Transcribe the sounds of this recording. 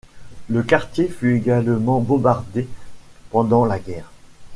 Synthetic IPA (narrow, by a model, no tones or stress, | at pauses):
ləkaʁt̪jefyeɡalmɑ̃bɔ̃baʁd̪epɑ̃d̪ɑ̃laɡɛːʁ